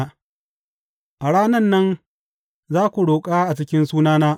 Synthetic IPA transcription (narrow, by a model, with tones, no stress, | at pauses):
ʔa˨ɽaː˦nɐ˦nːɐ˦n | zaː˦kʷu˨ɽoː˨kʼaː˦ʔa˨t͡ʃɪ˦kʲɪ˦nsuː˦naː˦naː˦